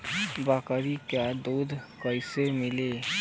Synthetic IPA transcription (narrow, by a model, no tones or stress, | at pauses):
baːkəɾikjaːd̪oːd̪kəɪsemɪleː